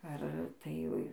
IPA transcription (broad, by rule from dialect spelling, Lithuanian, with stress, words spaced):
ɐr ˈtɐɪ